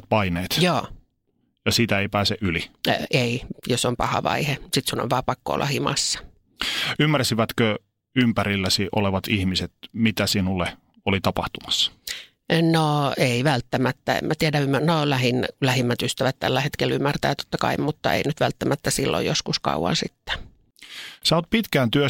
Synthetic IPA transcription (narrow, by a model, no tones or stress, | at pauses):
t̪pɑineːt̪joː | jɑsit̪æeipæːseʔylieijosompɑ̰hɑ̰ʋɑ̰ihesit̪suno̰ʋʋɑːpɑkːo̰ːlːʔɑ̰himɑ̰sːɑ̥ | ymːærsiʋæt̪kø | ympæɾilːæsiʔo̰leʋɑt̪ihmiset̪mit̪æsinulːe | olit̪ɑpɑht̪umɑ̥sːɑ̥ | noeiʋælt̪ːæmæt̪ːæḛmmæt̪iædæymːænolæhinlæhimːæt̪yst̪æʋæt̪t̪æ̰lːæhet̪kelymːært̪æːt̪o̥t̪ːɑkɑ̰immut̪ːɑ̰ḛinyt̪ʋælt̪ːæmæt̪ːæsilːo̰jjoskuskɑ̰uwɑ̰nsit̪ːæ̥ | sɑot̪̚pit̪kæːnt̪yø